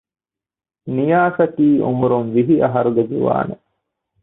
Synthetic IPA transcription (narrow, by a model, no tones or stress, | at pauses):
nijaːsɐkiːʔumuɾunʋiɦiʔɐɦɐɾuɡed͡ʒiʋa̰ːne